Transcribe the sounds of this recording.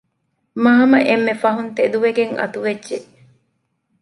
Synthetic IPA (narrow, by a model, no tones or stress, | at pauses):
mɐɦɐmɐʔemːefɐɦunt̪ed̪uʋeɡeŋɐ̰t̪uʋedʒe